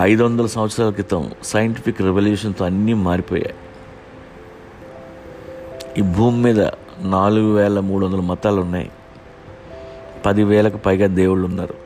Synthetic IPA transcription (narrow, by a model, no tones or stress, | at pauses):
ɐjd̪uʋɐnd̪ɐlɐsɐm̃ʋɐt̪sɾaːlɐk̬it̪ɐ̰msɐjɐɳʈipʰikːɾɛʋɐljuːʂɐnt̪oːɐnːiːmaːɾipɔ̰ːja̰ːji | iːbʱuːmːiːd̪ɐ̰ | naːluɡuʋɛːɭɐmuːɽuɐnd̪ɐlɐmɐt̪aːlunːa̰j̰ | pɐd̪iʋɛːɭɐkupɐjɡaːd̪eːwuɭunːa̰ːɾu